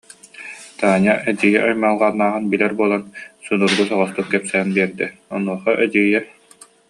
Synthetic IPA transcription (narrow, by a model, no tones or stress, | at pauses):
t̪aːɲaʔɛd͡ʑiːjɛʔajmaːlˠʁanːaːʁɯnbilɛɾbuɔlˠansunuɾɡus̬ɔʁɔst̪ukːɛpsæːnbiɛɾd̪ɛɔnuɔχɔʔɛd͡ʑiːjɛ